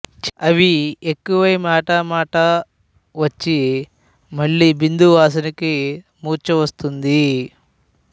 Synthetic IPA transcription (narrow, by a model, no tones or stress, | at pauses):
ɐʋiekːuʋɐjmaːʈɐmaːʈɐ | ʋɐt͡ʃːi | mɐɭːiːbind̪uʋaːsɐniki | muːɾt͡ʃɐʋɐst̪und̪i